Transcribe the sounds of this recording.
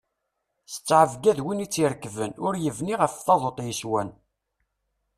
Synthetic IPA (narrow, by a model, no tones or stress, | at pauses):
sə̥t͡sːʕəvɡæðwinit͡sːiɾkvənʊɾjəvniʁəfθɑðˤot̪ˤjəswæn